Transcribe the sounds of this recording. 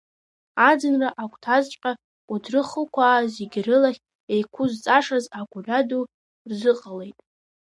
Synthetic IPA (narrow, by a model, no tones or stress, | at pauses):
ad͡zɨnraʔakʷʰʼtʰazt͡ʃʷʼqʲʼa | udrɨχəlkʷʰaːzeɡʲrɨlaχʲ | e̞jkʷʰʊzt͡sʼaʂazaɡʷʰʼʊradu | rzɨqʼale̞jtʼ